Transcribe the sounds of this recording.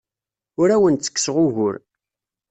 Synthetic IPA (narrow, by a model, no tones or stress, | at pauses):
ʊɾæwənt͡sːə̥kːsʁʊɣʊɾ